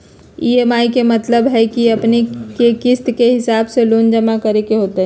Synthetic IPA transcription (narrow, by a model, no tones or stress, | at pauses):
ieːmaːikemɐt̪ləbɦɛkiɐpnekekɪst̪keɦɪsaːbseloːnd͡ʒəmakəɾekeɦoːt̪eɦɛ̃